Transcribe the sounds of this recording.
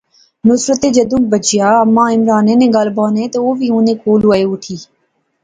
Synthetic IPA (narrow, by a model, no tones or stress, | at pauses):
nʊsɾət̪eːd͡ʒəd̪ũːbət͡ʃɪjaːəmːãːɪmɾaːnẽːnẽːɡaːlbaːnẽːt̪eːoːʋiːũːnẽːkoːluːəeːʊʈʰiː